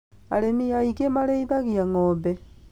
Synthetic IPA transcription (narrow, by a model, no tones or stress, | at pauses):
a̰lemiaikemaleiðaɣiaŋobe